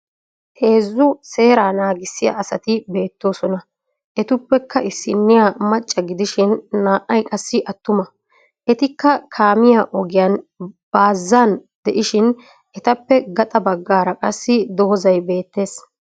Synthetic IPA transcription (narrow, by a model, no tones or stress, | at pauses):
he̞ːzːʊse̞ːɾaːnaːɡɪsːɪja̰ːsɐt̪ɪbe̞ːt̪ːo̞ːsɔnɐ | ʔɛt̪ʊpːɛkʰːɐʔɪsːɪnːɪjamɐt͡ʃʼːɐɡɪd̪ɪʃɪnːaːʔːɐjkʼɐsːɪʔɐt̪ːʊmɐ | ʔɛt̪ɪkːɐkʰaːmɪjaːʔɔɡɪjanb̥aːzːaːnd̪ɛʔɪʃɪn | ʔɛt̪ɐpːɛɡɐt̪ʼɐbɐɡːaːɾɐkʼɐsːɪd̪ɔhɔzɐjbe̞ːt̪ːe̞ːs